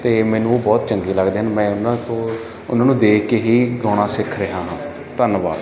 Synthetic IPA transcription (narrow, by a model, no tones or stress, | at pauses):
t̪eːmɛ̃ːnũːoːbɔːt̪t͡ʃəŋɡiːləɡd̪eːɦənmɛ̃ːʊnãːt̪õː | ʊnãːnũːd̪eːkkeːɦiːɡɔːɽ̃aːsɪkʰɾeɦãːɦãː | t̪ənba̰ːɾ